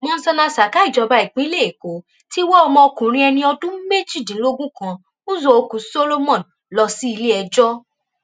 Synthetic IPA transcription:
mɔ̃˧n̩˦sɔ˧nã˧sa˨ka˨˦i˦˨d͡ʒɔ˧ba˧˦i˨k͡pe˨˦le˦˨e˨ko˨˦ | ti˦wɔ˦ɔ˧mɔ̃˧o˧kũ˨ɾ̃ĩ˧ɛ˧nĩ˧ɔ˧dũ˦me˦ti˦˨dĩ˨˦lo˦ɡũ˦kã˧ | ũ˦zo˧o˧ku˨˦so˦lo˦mɔ̃˦˨n˨ | lɔ˧si˦i˧le˦ɛ˧d͡ʒɔ˦

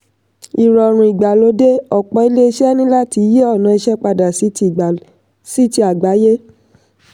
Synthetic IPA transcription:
i˨ɾɔ˨ɾ̃ũ˨i˨ɡ͡ba˨lo˨˦de˦ɔ˨k͡pɔ˧˦i˧˦le˦i˧˦ʃɛ˦nĩ˦la˦ti˨˦je˦ɔ˦˨nã˧i˧ʃɛ˦k͡pa˧da˨si˦˨ | si˦ti˧˦a˨ɡ͡ba˨˦je˦

